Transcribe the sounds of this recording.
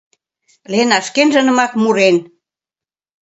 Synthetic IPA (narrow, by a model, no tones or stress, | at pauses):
lenɑʃkenʒə̆nə̆mɑkmuɾen